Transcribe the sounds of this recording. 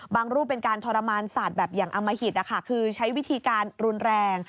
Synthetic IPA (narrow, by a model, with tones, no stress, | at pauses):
baː˧ŋɾuː˥˩p̚ːe˧nkaː˧nt̪ʰɔː˧ɾa˧maː˧nsaː˨˩t̪̚bɛː˨˩p̚jaː˨˩ŋʔa˧mːa˧hi˨˩t̪̚ʔa˦˧˩kʰa˦˥˩kʰɯː˧t͡ɕʰa˦˥jwi˦˥t̪ʰiː˧kaː˧nɾu˧nɾɛː˧ŋ